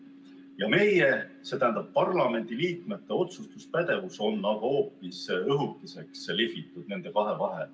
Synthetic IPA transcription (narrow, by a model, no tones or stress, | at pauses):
jɑme̞jese̞t̪æːnd̪ɑb̥̚pɑrlɑme̞nd̪iliːt̪me̞t̪ːˑe̞o̞t̪sust̪uspæd̪̥e̞vuso̞nːɑɡ̥ɑo̞ːpːˑisɤɦut̪ːˑise̞kslifit̪ːˑud̪̥ne̞nd̪e̞kɑɦe̞vɑɦe̞̰